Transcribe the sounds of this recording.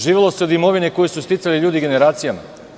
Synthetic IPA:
ʒiːʋelˠo̞seod̪imo̞ʋineko̞jesust̪it̪saliʎuːd̪iɡe̞ne̞ɾaːt̪sijama

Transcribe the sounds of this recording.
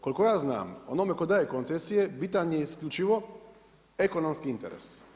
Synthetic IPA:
ko̞likojaːzna̰ːmo̰nomekod̪aːjekont̪sesijebiːt̪aɲjeiskʎʲut͡ʃiʋo̞ | eko̞nomskiint̪ḛɾḛs

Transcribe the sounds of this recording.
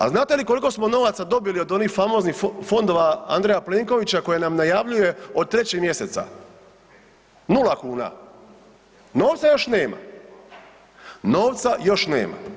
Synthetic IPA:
a̰znaːt̪e̞liko̞liko̞smo̞no̞ʋat̪sad̪o̞biliod̪o̞niːxfamo̞znixfo̞nd̪o̞ʋaa̰nd̪ɾejapleːŋko̞ʋit͡ɕako̞jenamnajaʋʎuje̞od̪̚t̪ːɾe̞t͡ɕeɡmje̞se̞t̪sa̰ | nulakuːna̰ | no̞ːʋt̪sajo̞ʃne̞ːma̰ | no̞ːʋt̪sajo̞ʃne̞̰ːma̰

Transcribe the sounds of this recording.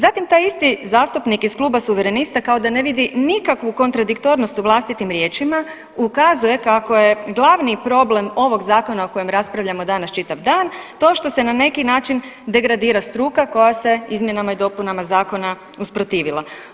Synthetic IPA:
zat̪imt̪aːjist̪izaːst̪upnikiskluːbasuʋeɾe̞nist̪akao̞d̪ane̞ʋid̪inikakʋuko̞nt̪ɾad̪ikt̪o̞ɾno̞st̪uʋlˠaːst̪it̪imɾje̞ːt͡ʃima | ukazuje̞kako̞je̞ɡlˠaʋnipɾo̞blemo̞ʋo̞ɡzaːko̞nao̞ko̞je̞mɾaspɾaʋʎamo̞d̪anast͡ʃit̪aʋd̪aːnt̪o̞ʃt̪o̞se̞nane̞kinaːt͡ʃind̪e̞ɡɾad̪iːɾast̪ɾuːkako̞jase̞izmje̞namaid̪o̞punamazaːko̞na | uspɾo̞t̪iːʋilˠa

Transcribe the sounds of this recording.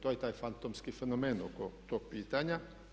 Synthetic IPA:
t̪ojɛt̪aːjfant̪oːmskifɛnomɛːnokot̪opiːt̪aɲa

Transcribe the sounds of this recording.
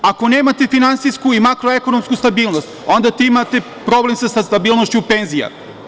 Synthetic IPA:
ako̞ne̞ːmat̪e̞finant̪siskuimakɾoe̞ko̞no̞mskust̪abiːlˠno̞st̪o̞nd̪at̪imat̪e̞ | pɾo̞ble̞msasast̪abiːlˠno̞ʃt͡ɕupe̞nzija̰

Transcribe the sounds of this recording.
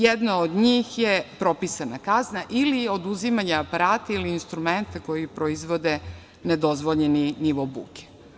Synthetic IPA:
jed̪naod̪ɲiːxjepɾo̞pisanakaznaʔilio̞d̪uzimaɲaːpaɾaːt̪ailiːnst̪ɾume̞nt̪ako̞jipɾoizʋo̞d̪e | ned̪o̞zʋo̞ʎeniniʋobṵke̥

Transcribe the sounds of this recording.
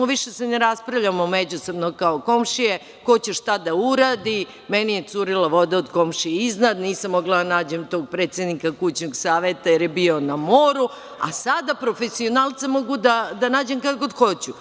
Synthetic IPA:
oʋiʃeseneɾaspɾavʎamomed͡ʑusobnokaoko̞mʃije | ko̞t͡ɕeʃt̪ad̪auɾaːd̪i | menijet̪suɾilaʋo̞d̪aod̪ko̞mʃijeiznad̪niːsamːo̞ɡlad̪anaːd͡ʑemt̪o̞ɡ̚pɾeːt̪sed̪nikakut͡ɕnoɡsaːʋet̪ajeɾjebio̞namo̞ːɾu | a̰sad̪apɾofesio̞nalˠt̪samo̞ɡud̪ad̪anaːd͡ʑemkad̪kod̪xot͡ɕu

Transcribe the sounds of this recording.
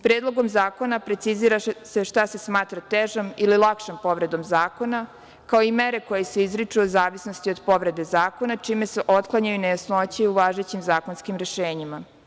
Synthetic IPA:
pɾeːd̪lˠoɡo̞mzaːko̞napɾe̞t̪siziɾaseʃt̪ase̞smaːt̪ɾat̪eʒamililˠakʃempo̞ʋɾe̞d̪o̞mzaːko̞na | kao̞ime̞ɾe̞ko̞jese̞izɾit͡ʂuozaːʋisnost̪io̞d̪po̞ʋɾe̞d̪e̞zaːko̞nat͡ʂiːme̞se̞ʔot̪klˠaɲajunajasnot͡ɕeuʋaːʒet͡ɕimzaːko̞nskimɾe̞ʃeːɲima

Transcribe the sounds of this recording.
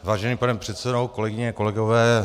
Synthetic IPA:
vaːʒɛniːpanɛpr̝̥ɛt̪sɛdowko̞lɛɡɪɲɛko̞lɛɡovɛː

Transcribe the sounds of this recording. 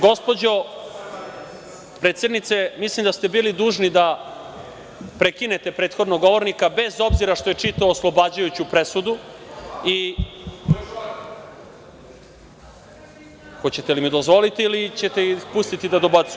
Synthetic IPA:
ɡo̞spo̞d͡ʑo̞ | pɾet̪sje̞d̪nit̪se̞mislimd̪ast̪e̞biːlid̪uːʒnid̪a | pɾekine̞t̪e̞pɾeːt̪xo̞d̪noɡo̞ʋo̞ɾnikabe̞zo̞bziɾaʃt̪o̞jet͡ʂit̪aoːslˠobaːd͡ʑujut͡ɕupɾesud̪u | i | xo̞t͡ɕet̪elimid̪ozʋo̞lit̪iːlit͡ɕet̪eipust̪it̪id̪ad̪o̞bat̪su

